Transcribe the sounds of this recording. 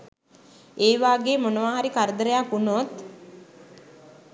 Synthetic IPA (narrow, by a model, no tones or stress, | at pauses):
eːʋaːɡeːmonəʋaːɦaɾikaɾəd̪əɾəjakunot̪